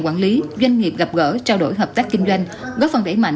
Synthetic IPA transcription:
kwaː˧˩nli˨˦zwa˧jŋ̟ŋi˨˩p̚ɣa˨˩p̚ɣə̰ː˧˥t͡ɕaː˧wɗo˧˩jɦəː˨˩p̚t̪aː˦˥kːï˧ŋ̟zwa˧jŋ̟ | ɣɔː˨˦˥fə˨˩nɗə˧˩jma̰˧˨

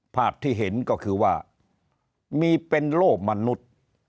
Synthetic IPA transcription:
pʰaː˥˩p̚t̪ʰːiː˥˩ɦe˩˦nkɔ˥˩kʰɯː˧waː˥˩ | miː˧pe˧nloː˥˩k̚ma˧nu˦˥t̪̚

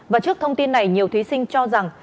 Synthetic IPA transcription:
vaː˨˩t͡ɕɨ˦˥ək̚t̪ʰə˧wŋ͡mt̪i˧nːa˨˩jɲi˨˩əwt̪wi˨˦sï˧ŋ̟t͡ɕɔ˧za˨˩ŋ

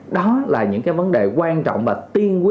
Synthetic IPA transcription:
ɗɔ˨˦laː˨˩ɲɨ̰˧˥ŋkaː˨˦jvə˨˦nɗe˨˩kwaː˧nt͡ɕɔ̰˧˨wŋ͡mvaː˨˩t̪i˧ənkwi˦

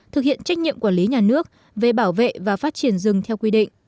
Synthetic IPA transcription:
t̪ʰɨ˨k̚hḭ˧˨ənt͡ɕa˦˥jk̟̚ɲḭ˧əmkwaː˧˩li˨˦ɲaː˨˩nɨ˦˥ək̚ | ve˨˩ɓaː˧˩wvḛ˧˨vaː˨˩faː˦˥t̚t͡ɕi˧˩ənzɨ˨˩ŋt̪ʰɛ˧wkwi˧ɗḭ˧˨ŋ̟

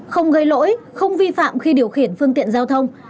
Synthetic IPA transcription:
xə˧wŋ͡mɣə˧jlo̰˧˥jxə˧wŋ͡mvi˧fa̰ː˧˨mxi˧ɗi˨˩əwxi˨˧˩ənfɨ˧əŋt̪ḭ˧˨ənzaː˧wt̪ʰə˧wŋ͡m

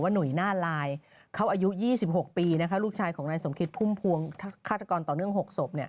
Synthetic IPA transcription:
waː˥˩nu˨˩jnaː˥˩laː˧j | kʰa˦˥wʔaː˧ju˦˥jiː˥˩si˨˩p̚ho˨˩k̚piː˧na˦˥kʰa˦˥luː˥˩k̚t͡ɕʰaː˧jkʰɔː˩˦ŋnaː˧jso˩˦mkʰi˦˥t̪̚pʰuː˥˩mpʰu˧əŋt̪ʰa˥kʰaː˥˩t̪ʰːa˧kɔː˧nt̪ɔː˨˩nɯ˥˩əŋɦo˨˩k̚so˨˩p̚ni˥˩ɐ

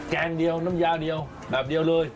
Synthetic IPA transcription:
kaː˧nɗi˧ə˧wnɨ˨˦mzaː˧ɗi˧ə˧w | ɗaː˨˩p̚ɗi˧ə˧wlɨ˧əj

